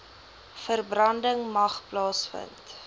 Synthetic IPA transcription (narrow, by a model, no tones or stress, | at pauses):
fərbrɐndəŋmɐχplɑːsfə̰nt